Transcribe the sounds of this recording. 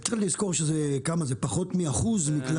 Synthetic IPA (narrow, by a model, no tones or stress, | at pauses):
alizko̞ʁʃezekamazepaχo̞t̪miaχuzmikl